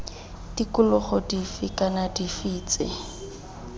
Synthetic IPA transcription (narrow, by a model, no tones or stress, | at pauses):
d̥ikʊlʊχɔdifɪkʼanadifiːt͡sɪ̰